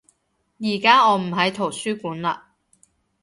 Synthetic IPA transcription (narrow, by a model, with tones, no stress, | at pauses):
jiː˨˩kaː˥ɔː˨˧m̩˨˩ɦɐ˨˥jt̪ʰo˨˩wsyː˥kuː˨˥nla̰ː˧